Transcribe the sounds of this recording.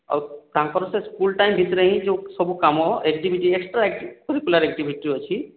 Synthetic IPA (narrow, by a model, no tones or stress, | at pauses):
a̰wt̪ãkɔɾɔseskulʈajmbʱit̪ɾəɦĩd͡ʒesɔbukamɔekd͡ʒibʱiʈieksʈɾaekipɔɾikulaɾek̚d͡ʒibʱiʈiɦot͡ʃʰi